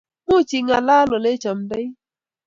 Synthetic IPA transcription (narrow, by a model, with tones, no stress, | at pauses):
mu˦˨t͡ʃi˨ŋa˨laː˦lɔ˨le˦t͡ʃa˨m˨da˦j